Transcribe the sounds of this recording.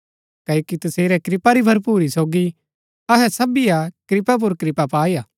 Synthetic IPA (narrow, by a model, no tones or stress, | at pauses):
kɐːjokit̪ɐseːɾɛkɾɪpaɾibʱɐɾpuːɾisoːɡi | ɐɦɛsɐbijakɾɪpap̬ʊɾkɾɪpapaːijaː